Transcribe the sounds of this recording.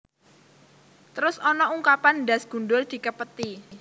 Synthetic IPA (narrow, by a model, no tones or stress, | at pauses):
t̪əɾʊsɔnɔuŋkapandasɡ̥ṳnɖʊld̪̥i̤kəpət̪i